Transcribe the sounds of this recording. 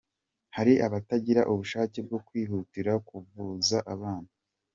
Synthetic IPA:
haɾiʔaβataɟiɾaʔuβuʃaːceb̚ɡo̞kwiːɦutiɾakuvuzaʔaβaːnu

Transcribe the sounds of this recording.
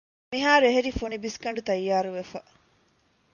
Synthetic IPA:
miɦaːɾueɦeɾifunibiskɐɳɖut̪ɐjːaːɾuʋefɐ

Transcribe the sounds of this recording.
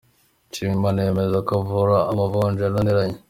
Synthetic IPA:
t͡ʃimanemezakovuɾaːmavoːnd͡ʒananiɾaɲe

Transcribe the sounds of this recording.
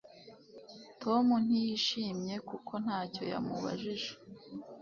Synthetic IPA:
tʰo̞mun̥ijiʃiːmɲe̞kukʰo̞n̥haːco̞̰ja̰muβa̰ʒiʒe̥

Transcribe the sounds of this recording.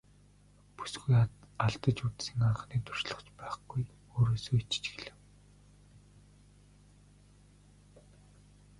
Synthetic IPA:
pu̥sɡujaɮt̪ə̆t͡ɕut̪sɘ̆ŋaɴʁə̆χniːt̪ur̥ʃɮə̥̆χt͡ɕpæːχɡ̥uj | oːɾoːsoːit͡ɕɪ̥t͡ɕɡĕɮɘ̆w

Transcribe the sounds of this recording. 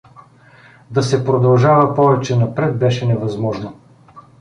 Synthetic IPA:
d̪ɐsɛpɾod̪ɐlˠʒavɐpɔvɛt͡ʃɛnɐpɾɛt̪̚bɛʃɛnɛvɐzmɔʒno

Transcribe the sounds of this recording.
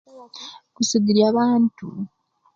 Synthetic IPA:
kusidiɾjaːβaːntu

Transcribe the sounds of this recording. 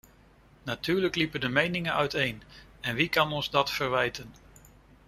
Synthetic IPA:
natyːɹləklipədəmejnɪŋənœɥtejnɛnʋikɑnɔnzdɑtfəɹʋɛjtən

